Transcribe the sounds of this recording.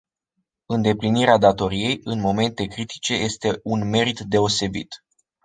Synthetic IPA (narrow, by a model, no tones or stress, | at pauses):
ɨnd̪e̞pliniɾead̪at̪o̞ɾije̞jʔɨnmo̞me̞nt̪e̞kɾit̪i̥t͡ʃe̞je̞st̪e̞unme̞ɾit̪d̪e̞o̞se̞bḭt̪